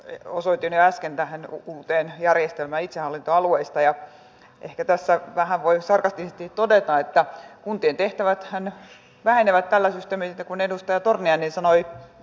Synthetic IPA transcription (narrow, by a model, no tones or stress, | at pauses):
osot̪ːinyæskent̪æhenuːt̪eːnjærjest̪elmæːit̪sehɑlːint̪oɑlueist̪ɑjɑ | ʔehkæt̪æsːæʋæhæʋʋoisɑrkɑst̪isest̪it̪odet̪ɑet̪ːækunt̪iːnt̪eht̪æʋæt̪hæn | ʋæheneʋæt̪t̪ælːæsyst̪eːmisit̪ːekunedust̪ɑjɑt̪orniɑnːinsɑnoi